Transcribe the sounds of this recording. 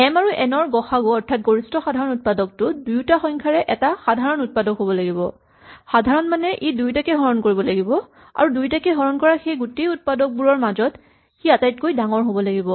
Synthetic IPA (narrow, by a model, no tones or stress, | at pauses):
ɛmaɹuʔɛnɔɹɡɔxaɡoɔɹtʰat̚ɡoɹistɔxadʱaɹɔnut̚padɔk̚tʊdujtaxɔŋkʰaɹɛʔɛtaxadʱaɹɔnut̚padɔkɦobɔlaɡibɔ̰ | xadʱaɹɔnmanɛʔedujtakɛɦɔɹɔnkoɹibɔlaɡibɔ | a̰ɹudujtakɛɦɔɹɔnkɔɹaxejɡutejut̚padɔk̚buɹɔɹmazɔt | xiatajt̚kojdaŋɔɹɦobɔlaɡibɔ